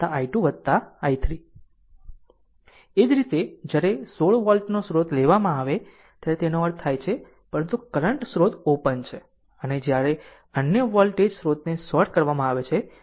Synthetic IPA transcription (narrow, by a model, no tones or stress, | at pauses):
t̪aʔaiʈuʋəd̪̚t̪aajt̪ʰɾi | ed͡ʒɾit̪ed͡ʒjaɾesoɭʋɔlʈnosɾot̪leʋamãaʋe | t̪jaɾet̪enoəɾt̪ʰajt͡ʃʰe | pəɾənt̪ukəɾəɳʈsɾot̪opənt͡ʃʰe | əned͡ʒjaɾe | ənjəʋɔlʈed͡ʒsɾot̪nesɔɾʈkəɾʋamãaʋet͡ʃʰe